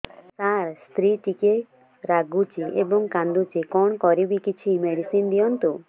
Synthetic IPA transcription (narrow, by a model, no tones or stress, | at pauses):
saɾst̪ɾiʈike | ɾaɡut͡ʃiʔebɔŋkãnd̪ut͡ʃikɔɳkɔɾibikit͡ʃʰimeɽisind̪ijɔnt̪u